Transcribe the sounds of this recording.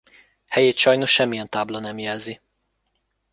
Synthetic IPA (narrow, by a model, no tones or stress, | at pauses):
hɛjeːt̪ʃɒjno̞ʃʃɛmːijɛnt̪aːblɒnɛmjɛlzi